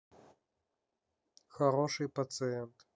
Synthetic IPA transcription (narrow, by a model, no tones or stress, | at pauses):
xɐɾoʂɨjpɐt̪sɨɛnt̪